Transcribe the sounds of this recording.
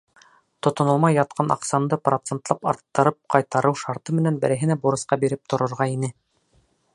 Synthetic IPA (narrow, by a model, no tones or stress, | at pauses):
t̪ŏt̪ŏnɤ̆lˠmɑjːɑt̪̚qɑnʔɑ̰qsɑnd̪ɤprot̪sent̪lˠɑpɑ̰ɾt̪ːɤ̆ɾɤp̚qɑjt̪ɑɾɤwʃɑɾt̪ɤmɘ̆nænbɘ̆ɾæ̆ɦɘ̆næbuɾɤ̆sqɑbiɾɘp̚t̪ŏɾŏɾʁɑinɘ